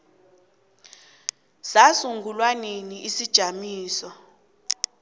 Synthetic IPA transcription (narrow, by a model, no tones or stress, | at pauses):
sasuŋɡʱulwaniniisid̥ʒ̥ʱamiːsɔ